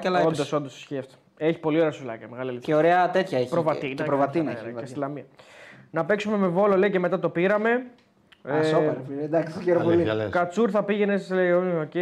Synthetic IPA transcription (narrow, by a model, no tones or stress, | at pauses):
kɐlɐond̪oso̞nd̪osi̥sçiɐft̪o̥ | eçi̥po̞lioɾeɐsulɐ̰cɐmeɣɐlilieoɾeɐt̪et̪çɐepɾovɐt̪inepɾovɐt̪inɐslɐmiɐnɐpe̞ksume̞me̞vo̞lo̞le̞ice̞me̞t̪ɐt̪o̞piɾɐme̞ | sɾed̪ɐksçeɾopolilkɐt͡suɾθɐpiʝe̞nessleiooce